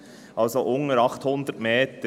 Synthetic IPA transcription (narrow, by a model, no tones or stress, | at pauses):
ʔɑlsoʔʊŋəɾɑχthʊnd̪ətmeːtə